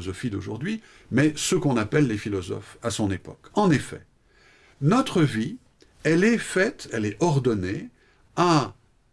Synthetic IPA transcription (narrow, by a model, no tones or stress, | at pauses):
zɔfid̪oʒṵʁd̪ɥi | mɛsəkɔ̃napɛlːefilɔzɔ̰fasɔ̃nepɔ̰kɑ̃nefɛ̰ | nɔt̪χəvi | ɛlɛfɛt̪ɛlɛɔʁd̪ɔne | a